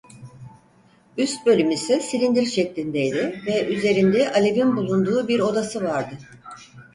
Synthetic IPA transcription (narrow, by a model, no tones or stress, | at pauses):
yst̪̚bø̞lʲymisisilʲind̪iɾʃɛclʲind̪ejd̪ɪvɛʔyze̞ɾind̪ɛʔalʲe̞binbulˠund̪uːbiɾo̞d̪asɯvaɾd̪ɯ